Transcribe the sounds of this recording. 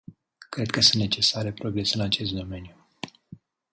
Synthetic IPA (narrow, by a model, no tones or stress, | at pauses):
kɾe̞d̪̚kəsunt̪ne̞t͡ʃe̞saɾe̞pɾo̞ɡɾe̞seɨnat͡ʃe̞st̪̚d̪o̞me̞nju